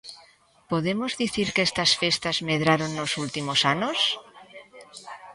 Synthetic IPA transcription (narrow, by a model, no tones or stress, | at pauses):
po̞ðe̞mozðiθiɾkest̪asfe̞st̪azme̞ð̞ɾaɾo̞nːo̞sult̪imo̞sano̞s